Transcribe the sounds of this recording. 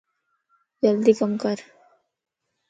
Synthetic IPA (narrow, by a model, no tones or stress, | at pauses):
d͡ʒəld̪ikəmkɐɾ